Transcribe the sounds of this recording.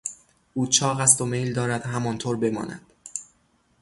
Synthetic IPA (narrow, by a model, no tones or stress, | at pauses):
ʔuːt͡ʃʰɒːɣæst̪ome̞jld̪ɒːɾæd̪̥ɦæmɒːnt̪ʰoːɾbe̞mɒ̰ːnæ̰d̪̥